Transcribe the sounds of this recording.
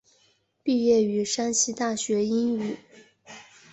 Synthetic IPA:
pi˥˧jɛ˥˩y˧˥ʂa˥nɕi˥t̪a˥˩ɕɥɛ˧˥i˥ŋy˨˩˦

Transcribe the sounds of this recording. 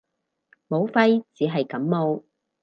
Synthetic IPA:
mo˨˧wfɐ˥jt͡siː˨˧ɦɐ˨jkɐ˨˥mmo˨˧w

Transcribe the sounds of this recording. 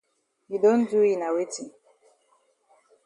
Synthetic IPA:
ju˨dõ˦ndu˦i˨na˨we˦ti˨

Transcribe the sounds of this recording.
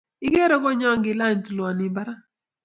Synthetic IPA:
ɪ˦ɡɛ˦ɾɔ˦ɡɔ˦ɲɔ˦ŋɡɪ˨la˦˨ɲ˨tlwɔ˨nɪ˨ba˦ɾa˦

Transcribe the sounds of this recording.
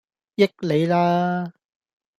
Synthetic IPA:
jɪ˥k̚le˨˧jlaː˥

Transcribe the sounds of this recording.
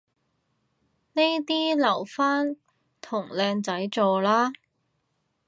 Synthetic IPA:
ne˥jt̪iː˥lɐ˨˩wfaː˥n | t̪ʰʊ˨˩ŋlɛː˧ŋt͡sɐ˨˥jt͡sɔː˨laː˥

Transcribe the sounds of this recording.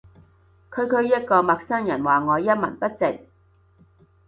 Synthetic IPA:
kʰɵ˨˧ɥkʰɵ˨˧ɥjɐ˥t̚kɔː˧mɐ˨k̚sœː˥ŋjɐ˨˩nwaː˨˩ŋɔː˨˧jɐ˥t̚mɐ̰˨˩npɐ˥t̚t͡sɪ˨k̚

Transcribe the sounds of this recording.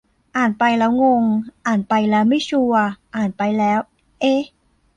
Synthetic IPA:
ʔaː˨˩npa˧jlɛː˦˥wŋo˧ŋʔaː˨˩npa˧jlɛː˦˥wma˥˩jt͡ɕʰu˧ɐʔaː˨˩npa˧jlɛː˦˥w | ʔe˧

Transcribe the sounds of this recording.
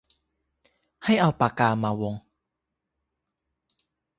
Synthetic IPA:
ha˥˩jʔa˧wpaː˨˩kaː˧maː˧wo˧ŋ

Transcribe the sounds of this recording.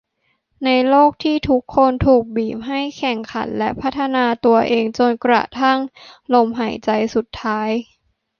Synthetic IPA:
na˧jloː˥˩k̚t̪ʰiː˥˩t̪ʰu˦˥kʰːo˧nt̪ʰuː˨˩k̚biː˨˩m̚ɦa˥˩jkʰɛ˨˩ŋkʰa̰˩˦nlɛ˦˥pʰa˦˥t̪ʰːa˧naː˧t̪u˧ɐʔeː˧ŋt͡ɕo˧nkɾa̰˨˩t̪ʰa˥˩ŋlo˧mɦa˩˦jt͡ɕa˧jsu˨˩t̪ʰːaː˦˥j

